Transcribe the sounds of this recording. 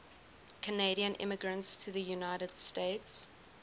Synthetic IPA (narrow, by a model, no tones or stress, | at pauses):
kʰəneɪɾiə̃nʔɪ̰məɡɹə̃ntstʰəðəjunaɪɾəd̥steɪts